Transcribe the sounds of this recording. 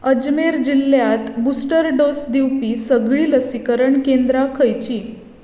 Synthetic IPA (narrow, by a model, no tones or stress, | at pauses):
əd͡ʑmeɾd͡ʑiljat̪busʈəɾɖosd̪iwpiːsəɡɭiːləsikəɾəɳkend̪ɾakʰəjt͡ɕiː